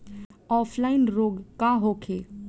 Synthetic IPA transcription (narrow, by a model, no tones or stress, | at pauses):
ɔːpʰlaːɪnɾoːɡkaɦoːkʰeː